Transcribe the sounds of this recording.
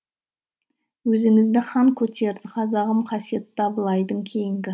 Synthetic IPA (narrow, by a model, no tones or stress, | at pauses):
wɵzɪŋɪzd̪ɪχɑŋkʲʰɵt̪e̞ɾd̪ɪqʰɑzɑʁəmqʰɑsije̞t̪ʰːɑbəlˠɑjd̪əɴkʲʰe̞jɪŋɡʲɪ